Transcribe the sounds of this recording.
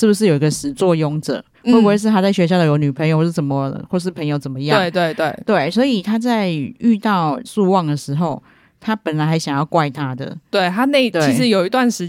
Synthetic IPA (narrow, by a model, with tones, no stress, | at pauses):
ʂɻ̩˥˩bu˩ʂɻ̩˥˩˨jo˨˩i˧˥ɡə˧ʂɻ̩˧˥t͡swɔ˥˨jɔ˧˥ŋʈ͡ʂɤ̰˨˩˦ | we˥˩bbu˥wʂ̬ɻ̩˥˩t̪ʰa˥t͡sa˥˩ɪɕɥɛ˧˥ɕjɑ˥˩ʊd̪ə˨jo˧˥ny˨˩pʰə˧˥ŋjo˧˦wɔ˥˩ʂ̩˥˩ʂə˨˩mə˦xwɔ˥˩ʂ̬ɻ̩˥˩pʰə˧˥ŋjo˧ʊt͡sə˨˩nmə˦jɑ˥˧we˥ŋ˧t̪we˥˧ɪt̪we˥˩ɪt̪we˥˩ɪswɔ˧˥i˨˩t̪ʰa˥t͡sa˥˧ɪy˥˧t̪ɑ˥˧ʊsu˥˧wɑ˥˨˩ŋd̪ə˩ʂɻ̩˧˥xo˥˩ʊ | t̪ʰa˦˥pə˨˩nla˨˧ɪxa˧˥ɕjɑ˨˩ŋjɑ˥˩ʊkwa˥˧ɪt̪ʰa˦d̪ə̰˨˩t̪we˥˩ɪt̪ʰa˦˥ne˥˩ɪt̪we˥˩iɪ˧˥ʂɻ̩˧˦jo˨ʊi˧˥t̪wa˥˨nʂɻ̩˧˥